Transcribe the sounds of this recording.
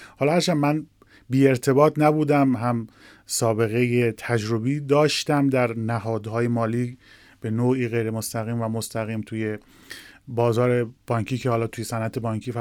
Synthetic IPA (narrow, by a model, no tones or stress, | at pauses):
hɒːlɒhæɾt͡ʃʰænmæn | biːe̞ɾt̪ʰe̞bɒːt̪ʰnæbuːd̪æmɦæm | sɒːbe̞ɣe̞jet̪ʰæd͡ʒɾo̞biːd̪ɒːʃt̪æmd̪æɾnæɦɒːd̪hɒːje̞mɒːliː | b̥e̞noːiːɣe̞jɾe̞most̪æɣiːmvæmost̪æɣiːmt̪ʰuːje̞ | bɒːzɒːɾe̞b̥ɒːɲkʰiːcʰehɒːlɒːt̪ʰuːjesænʔæt̪ʰe̞bɒːŋkʰiːfæ